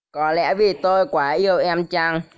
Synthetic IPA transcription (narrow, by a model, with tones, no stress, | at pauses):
kɔ˨˦lɛ̰˧˥vi˨˩t̪o˧jkwaː˨˦ʔi˧əwʔɛ˧mt͡ɕaː˧ŋ